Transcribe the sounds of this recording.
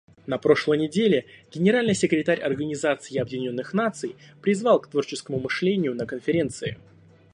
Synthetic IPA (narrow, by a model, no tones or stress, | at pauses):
nɐpɾo̞ʂlˠəjnʲɪdʲelʲɪɡʲɪnʲɪɾalʲnɨjsʲɪkɾʲɪt̪aɾʲɐ̰rɡənʲɪzat̪sɨɪɐbvʲɪnʲo̞nːɨxnat̪sɨjpɾʲɪzvɑlˠkt̪vo̞rt͡ɕɪskəmʊmɨʂlʲenʲɪjʊnəkənfʲɪɾʲe̞nt̪sɨɪ̰